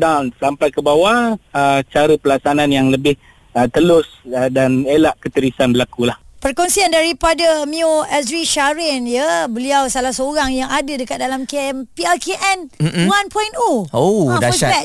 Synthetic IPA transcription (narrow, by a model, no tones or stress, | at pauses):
dansampajkəbawaət͡ʃaɾəpəlasanãnjaŋləbɪh | ət̪əlʊsdanelaʔkət̪əɾisanbəlakulahpərkɔnsiandaɾipadamioɛsɾiʃaɾɛnjəbəliawsalahsəoɾaŋjaŋadədəkat̪̚dalamkeɛmpiakeʔɛnanpɔjnooadəsbɛ